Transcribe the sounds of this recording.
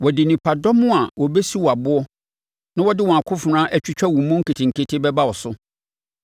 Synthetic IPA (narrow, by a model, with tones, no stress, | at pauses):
wɔ˨dɪ˨nĩ˨pʰa˨dɔ˦mʊ̃˦a˨wɔ˨bɛ˦si˦wɔ˨a˨bʊ˦ɔ˦ | nã˦wɔ˦dɪ˦wɔ̃˨a˨kʰʊ˦fʊ˨nãː˦ʔæ˦˨t͡ɕᶣi˦t͡ɕᶣa˦wũ˨mʊ̃˦ŋ̩˦kʰi˨tʰɪ̃˨ŋ̩˨kʰe˦tʰɪ˦bɛ˦ba˦wɔ˨sʊ˦